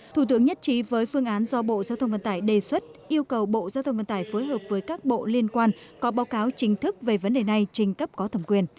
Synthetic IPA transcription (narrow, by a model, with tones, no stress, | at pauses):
t̪ʰu˧˩t̪ɨ˨˦ŋɲə˦˥t̚t͡ɕi˨˦vəː˨˦jfɨ˧əŋʔaː˨˦nzɔ˧ɓo̰˧˨zaː˧wt̪ʰwŋ͡mvə̰˧˨nt̪aː˧˩jɗe˨˩swə˦˥t̚ʔi˧əwkə˨˩wɓo̰˧˨zaː˧wt̪ʰə˧ŋ͡mvə˧˨nt̪ːjfoː˨˦jɦəː˨˩p̚vəː˨˦jkaː˦˥k̚ɓo̰˧˨li˧ənkwaː˧n | kɔ˨˦ɓaː˨˦wkaː˨˦wt͡ɕï˨˦ŋ̟t̪ʰɨ˦˥k̚ve˨˩və˨˦nɗe˨˩na˨˩jt͡ɕï˨˩ŋ̟kə˦˥p̚kɔ˨˦t̪ʰə˧˩mkwi˨˩ən